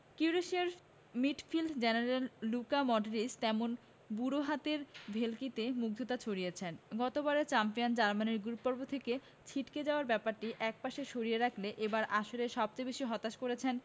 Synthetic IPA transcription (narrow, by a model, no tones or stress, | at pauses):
kiuɾeʃiaɾ | miʈfilɖd͡ʑeneɾelːukamɔɖeɾist̪ɛmon | buɾoɦat̪eɾbʱelkit̪emuk̚d̪ʱot̪at͡ɕʰoɾijet͡ɕʰenɡɔt̪obaɾet͡ɕampijand͡ʑaɾmaneɾɡuɾpːɔɾbot̪ʰeke | t͡ɕʰiʈked͡ʑaoaɾbɛpaɾʈiʔɛk̚paʃeʃoɾijeɾakʰleʔebaɾʔaʃoɾeʃɔb̚t͡ɕejbeʃiɦɔt̪aʃkoɾet͡ɕʰen